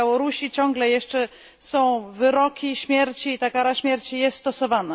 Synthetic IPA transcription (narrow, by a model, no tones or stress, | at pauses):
awɔɾuɕit͡ɕɔ̃ŋɡlɛjɛʂt͡ʂɛ | sɔ̃w̃vɘɾɔkʲiɕmʲjɛɾt͡ɕiːt̪akaɾaɕmʲjɛɾt͡ɕijɛst̪st̪ɔsɔvana